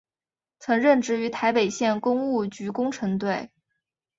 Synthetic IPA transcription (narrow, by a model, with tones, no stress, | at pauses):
t͡sʰɤ˧˥ŋɻə˥˧nʈ͡ʂɻ̩˥˩y˧˥t̪ʰa˧˥ɪpe˨˩ɪɕjɛ˥˩nkʊ˥ŋu˥˩t͡ɕy˧˥kʊ˥ŋʈ͡ʂʰɤ˧˥ŋt̪we˥˩ɪ